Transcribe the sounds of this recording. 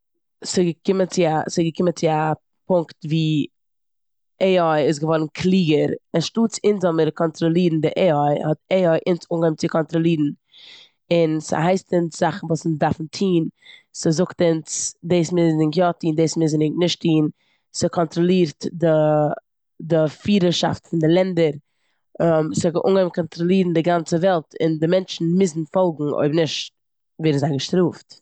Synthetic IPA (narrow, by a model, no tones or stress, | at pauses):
sɪɡəkɪmənt͡sɪasɪɡəkɪmənt͡sɪa | pʊŋktviː | eɪɔɪɪs̬ɡəvɔɾn̩kʰlˠiːɡəɾɛʃtuːt͡sɪnzɔməɾkɔntɾɔlˠiːdn̩dɪʔeːɔɪhɔt̚eːɔɪʔɪnsuːŋɡɛmt͡sɪkɔntɾɔlˠiːdn̩ | ɪnsa̰ɦaɪstɪnsz̥aχn̩vuːsɪndafn̩tʰiːnsɪzʊktɪnt͡sdeɪsmɪznɪŋkjɔtiːndeːsmɪznɪnɪʃtʰiːn | sɪkʰɔntɾɔlˠiːɾtdɪ | dɪfiːɾəʃa̰ftfɪndɪlˠɛndəɾ | msɪɡəʔṵːŋɡɛmkʰɔntɾɔlˠiːɾn̩dɪɡant͡səvɛlˠtɪ̰ndɪmɛnt͡ʃn̩mɪzn̩fɔlˠɡŋ̩o̰ɪbnɪʃt | viːɾzaɪɡəʃtɾuːft